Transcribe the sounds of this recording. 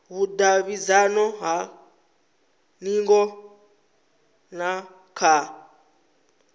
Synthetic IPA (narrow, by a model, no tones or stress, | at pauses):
βudaβid͡zanɔɦa | niŋɡɔ | na | kʰa